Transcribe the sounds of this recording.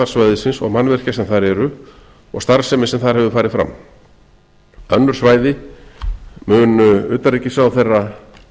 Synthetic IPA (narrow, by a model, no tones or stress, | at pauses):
aɾ̥svajðɪsɪnsɔ̰ɣmanvɛr̥casɛmθaɾɛɾʏ | ɔɣst̪aɾsɛmɪsɛmθaðɾhɛvʏfaːɾɪfɾa̰m | œnːʏɾ̥svaːjðɪ | mʏːnʏʏːt̪aɾicɪsawθejra